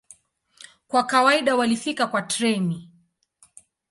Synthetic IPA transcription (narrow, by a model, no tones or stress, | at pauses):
kwakawaiɗawalifikakwatɾɛmi